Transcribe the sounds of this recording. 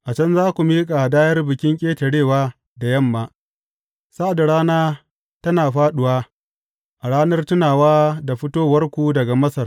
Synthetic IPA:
ʔa˨t͡ʃɐ˦nzaː˦kʷu˨miː˦kʼa˨daː˦jɐ˦rbɪ˨kʲɪ˦ŋkʲʼeː˦tɐ˨ɽeː˦˨waː˦ | da˨jɐ˦˨mːaː˨ | sa˦ʔa˨da˨ɽaː˦naː˦ | tɐ˦naː˨ɸaː˦ɗʊ˨waː˦ | ʔa˨ɽaː˦nɐ˦rtʊ˦naː˨waː˦da˨ɸɪ˦toː˦wɐ˦rkʷu˦dɐ˨ɡa˨mɐ˦sɐ˨r

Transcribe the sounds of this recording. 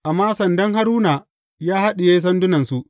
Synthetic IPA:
ʔa˨mːaː˦sɐ˨ndɐ˦ŋɦa˦ɾuː˦naː˨ | jaː˦ha˦ɗɪ˨jeː˦s̬ɐ˦ndʊ˦nɐ˨nsu˦ʔ

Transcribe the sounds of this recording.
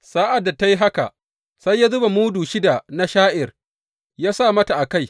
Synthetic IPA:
saː˦ʔa˨dːa˨ta˦ji˦ɦa˦ka̰˨ | sa˦jːa˦zʊ˦ba˨muː˦duː˨ʃɪ˦da˨na˦ʃaː˦ʔɪ˨r | jaː˦sa˦˨mɐ˦ta˨ʔa˨ka˦j

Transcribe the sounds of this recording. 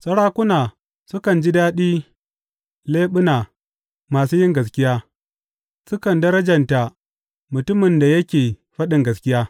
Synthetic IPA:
sʼɐ˦ɽaː˦kʷʊ˦naː˨ | sʊ˦kɐ˨nd͡ʒi˦daː˦ɗiː˦ | leː˦ɓʊ˦naː˨ | maː˨suː˦jɪ˦ŋɡɐ˨s̬kʲɪ˦jaː˦ | sʊ˦kɐ˨ndɐ˦ɾɐ˦d͡ʒɐ˨nta˨ | mʊ˨tʊ˦mɪ˨nda˨jɐ˦kʲeː˨ɸɐ˦ɗɪ˨ŋɡɐ˨skʲɪ˦jaː˦

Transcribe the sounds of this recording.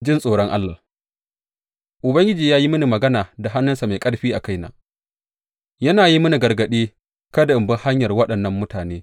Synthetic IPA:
d͡ʒɪ˦nsʼoː˨ɽɔ˦ŋʔa˦lːa̰ː˨ | ʔʊ˨bɐ˦ŋɡʲɪ˦d͡ʒiː˨jaː˦ji˦mʊ˦ni˨mɐ˨ɡɐ˦naː˨da˨ɦa˦nːʊ˦nsa˨ma˨jkʼɐ˦ɽɸiː˦ʔa˨ka˦jna̰ː˨ | jɐ˦naː˨ji˦mʊ˦ni˨ɡɐ˨rɡɐ˨ɗiː˦ | kɐ˦da˨ʔɪ˨mbɐ˦ha˦ɲjɐ˨rwɐ˦ɗɐ˨nːɐ˨mːʊ˦taː˨neː˦

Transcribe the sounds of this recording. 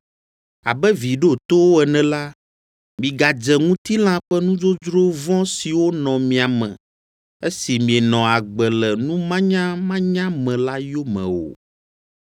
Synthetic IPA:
a̰˨bɛ˦vi˨ɖe˦˨t̪o˦wo˦ɛ˨nɛ̃˨la˦ | mĩ˨ɡa˨d͡ʒɛ˨ŋũ˦t̪i˦l̃ã˦ɸɛ˦nũ˦d͡ʒo˦d͡ʒɾo˦vɔ̃˦si˨wo˦nɔ̃˨mĩ˨a˨mɛ̰̃˨ | e˦si˨mĩ˨ɛ˨nɔ̃˨a˨ɡ͡bɛ˨lɛ˨nũ˦mã˦ɲã˦mã˦ɲã˦mɛ̃˨la˦jo˦mɛ̰̃˨wo̰˨

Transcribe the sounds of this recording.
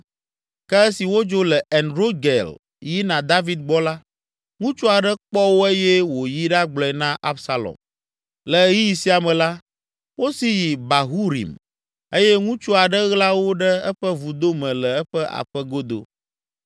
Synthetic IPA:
kɛ˦ɛ˦si˨wo˦d͡ʒo˦lɛ˨ɛ˨nɾo˦ɡe˨l | ji˦nã˨d̪a˦vi˦d̪̚ɡ͡bɔ˦la˦ | ŋũ˦t͡ʃu˦a˨ɖɛ˦k͡pɔ˦wo˦e˦jɛ˦wo˨ji˦ɖa˦ɡ͡blɔ˦ɛ˨nã˦ʔa˦bsa˦lɔ̰˨m | lɛ˨ɣi˦ji˨si˦a˨mɛ̃˨la˦ | wo˦si˦ji˨ba˨ɦu˦ɾḭ˨m | e˦jɛ˦ŋũ˦t͡ʃu˦a˨ɖɛ˦ɣla˦wo˦ɖɛ˦ɛ˦ɸɛ˦vu˨d̪o˦mɛ̃˨lɛ˨ɛ˦ɸɛ˦ʔa̰˨ɸɛ˦ɡo˦d̪o̰˦

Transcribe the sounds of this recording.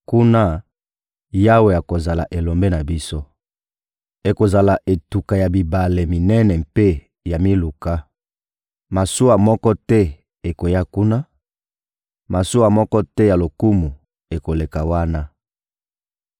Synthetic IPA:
ku˦na˦ | ja˦we˨ja˨ko˨za˨la˨ʔe˨lo˨mbe˦na˨bi˦so˦ | e˨ko˨za˨la˨ʔe˨tu˨ka˨ja˨bi˨ba˨le˨mi˨nɛ˦nɛ˨mpe˦ | ja˨mi˦lu˨ka˦ | ma˨su˦wa˨mɔ˦kɔ˦tɛ˦ | e˨ko˨ja˦ku˦na˦ | ma˨su˦wa˨mɔ˦kɔ˦tɛ˦ja˨lo˨ku˦mu˨ | e˨ko˨le˨ka˨wa˦na˦

